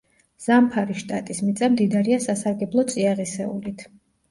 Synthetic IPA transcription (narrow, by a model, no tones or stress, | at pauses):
z̥ampʰaɾiʃt̪ʼat̪ʼismit̪sʼamd̪id̪aɾiasasaɾɡɛblˠɔt̪sʼiaʁisɛṵlit̪ʰ